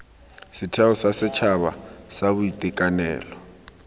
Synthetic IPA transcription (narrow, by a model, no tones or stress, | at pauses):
sɪtʰɛɔsasɪt͡ʃʰaβa̰saβʊitʼikʼanɛ̰ːlɔ